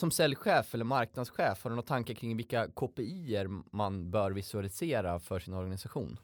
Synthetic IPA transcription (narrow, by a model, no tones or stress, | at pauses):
sɔmsɛljɧeːfɛlːəɾmaɾk̚nad̪sɧeːfhaɾnɔt̪ʰːaŋkəkʰɾɪŋvɪlkːakʰoːpɛiːəɾmanbœːɾvɪsɵalɪseːɾafœʂɪnɔɾɡanɪsaɧṵːn